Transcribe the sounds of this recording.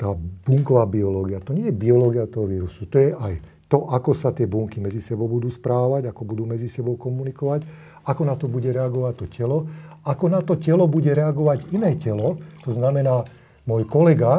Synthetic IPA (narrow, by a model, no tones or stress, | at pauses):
t̪aːb̥uŋkɔʋaːbiɔlɔːɡiat̪ɔɲɪɛjɛbiɔlɔːɡiat̪ɔɦɔʋiːɾusut̪ɔjɛʔaj | t̪ɔʔakɔsat̪ɪɛbuŋkimɛd͡zisɛbɔʊbud̪uːspɾaːʋaɟakɔbud̪uːmɛd͡zisɛbɔʊkɔmunikɔʋac | akɔnat̪ɔbuɟɛɾɛaɡɔʋac̚t̪ːɔcɛlɔakɔnat̪ɔcɛlɔbuɟɛɾɛaɡɔʋaɟinɛːcɛlɔt̪ɔznamɛnaː | mɔjkɔlɛɡa